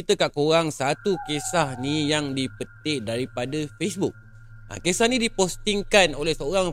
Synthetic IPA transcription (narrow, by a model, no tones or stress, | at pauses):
kit̪əkaʔkoɾaŋsat̪ukesahnijaŋdipət̪ɪʔdaɾipadafesbuk̚ | ʔa̰kesahnĩdipost̪iŋkanolɛhsəoɾaŋ